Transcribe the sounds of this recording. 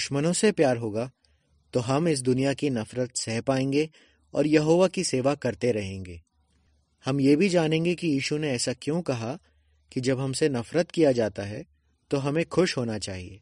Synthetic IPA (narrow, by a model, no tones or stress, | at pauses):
d̪ʊʃmənõsepjaːɾɦoːɡa | t̪oɦɐmɪs̬d̪ʊnijakinɐfɾət̪sɛɦpaːẽːŋɡe | ɔ̰ːɾjɐɦoːʋakiseːʋakɐɾt̪eɾɐɦẽːŋɡeː | hɐmjeːbʱid͡ʒaːnẽːŋɡekijiːʃuneɛːsakjõkɐɦa | kid͡ʒɐbɦɐmsenɐfɾət̪kijad͡ʒaːt̪aɦɛ | t̪oɦɐmẽxʊʃɦoːnat͡ʃaːɦḭḛː